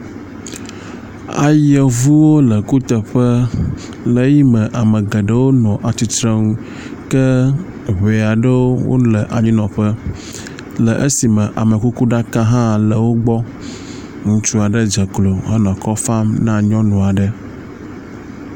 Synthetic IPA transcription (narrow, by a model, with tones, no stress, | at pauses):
a̰˨jə˨vu˦wo˦lə˨ku˦t̪ə˨ɸə˦ | lə˨ji˦mə̃˨ʔa˨mə˨ɡə˨ɖə˦wo˦nɔ̃˨ʔa˨t̪i˨t̪ɾə˦ŋũ˦ | kə˦ | βe˨a˨ɖə˦wo˦wo̰˦lə˨ʔa˨ɲĩ˦nɔ̃˨ɸə˦ | lə˨ʔə˦si˨mə̃˨ʔa˨mə˨ku˦ku˦ɖa˦ka˦ɦã˦lə˨wo˦ɡ͡bɔ˦ | ŋũ˦t͡ʃu˦a˨ɖə˦d͡ʒə˨klo˨ɦə˦nɔ̃˨kɔ˦fa˦mnã˦ɲɔ̃˦nɔ̃˨a˨ɖə˦